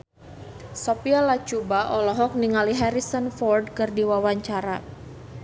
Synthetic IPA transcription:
sopialat͡ʃubaʔɔlɔɦɔk̚niŋaliɦɛɾisənfɔrdkɨrdiwawaɲt͡ʃaɾa

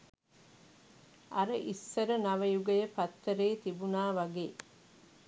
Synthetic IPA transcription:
ɐɾəʔisːɐɾənɐʋɐjuɡɐjəpɐt̪ːəɾeːt̪ibunaːʋɐɡeː

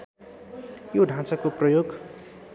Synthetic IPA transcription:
joɖʱãt͡sakoprʌjoɡ

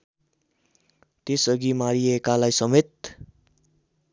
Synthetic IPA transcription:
t̪esʌɡimaɾiekalajsʌmet̪̚

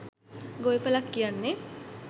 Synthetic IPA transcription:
ɡojpəlakːijanːe

